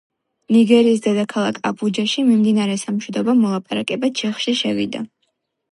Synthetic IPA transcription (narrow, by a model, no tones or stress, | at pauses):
niɡɛɾiːs̬d̪ɛd̪akʰalˠakʰabʰud͡ʒaʃimimd̪inaɾɛsamʃwid̪ɔbamɔlˠapʼaɾakʼɛbat͡ʃʰɛχʃiʃɛvḭd̪a